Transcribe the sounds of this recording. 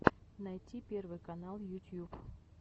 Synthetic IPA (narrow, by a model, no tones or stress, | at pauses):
najtʲipʲe̞rvɨjkɐnalˠjutʲjup